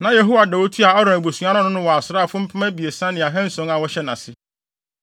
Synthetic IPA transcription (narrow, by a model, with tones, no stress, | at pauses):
nã˨je˨ɦo˦wa˨dɛ˨wo˦tʰu˦a˨ɔ˦ɾã˨æ˨bo˨sũ˨a˦ɾã˦nʊ̃˦nʊ̃˦wɔ˨a˨sɾaː˦˨fʊ̃˦m̩˦pʰa˦mæ˦bi˨e˨sã˦nɪ̃˨a˨ɦɛ̃˦n̩˦sɔ̃˨˦ŋa˨wɔ˦ɕɛ˦nã˨sɪ˦